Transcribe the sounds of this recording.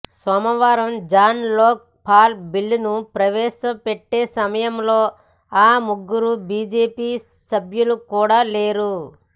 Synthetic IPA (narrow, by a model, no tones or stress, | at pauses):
sɐmɐʋaːɾɐmd͡ʒaːnlɔːk̚pʰaːlbilːnupɾɐʋɛːʃɐpeʈːeːsɐmɐjɐmloː | aːmuɡːuɾubiːd͡ʒeːpiː | sɐbʱjulukuːɽaːle̞ːɾu